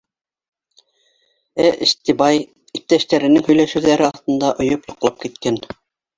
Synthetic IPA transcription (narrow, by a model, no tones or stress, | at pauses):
æʔḭ̆ʃt̪ibɑj | ip̚t̪æʃt̪æɾɘ̆nɘŋhɵ̆jlæʃɘ̆wðæɾɘɑθt̪ɤ̆nd̪ɑʔŏjopjŏqlˠɑp̚kit̪kæn